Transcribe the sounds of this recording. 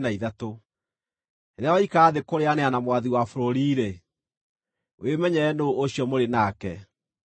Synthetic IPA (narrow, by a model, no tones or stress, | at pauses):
naiðato | eɾeawaikaːðekoɾeaneanamwaðiwafoɾoɾiːɾe | wemɛɲɛːnooɕjɔmoɾenakɛ